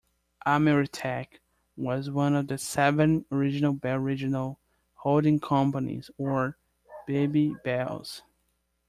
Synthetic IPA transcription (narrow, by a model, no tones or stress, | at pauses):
ʔamɛɹɨtʰæk | wʌzwʌ̃nʌvðɨsɛvɨ̃nəɹɪd͡ʒɨnl̩ˠbɛɹɪd͡ʒɨnl̩ˠ | holˠdɪ̃ŋkʰʌ̃mpənḭzə˞ | b̥ebibɛlˠz̥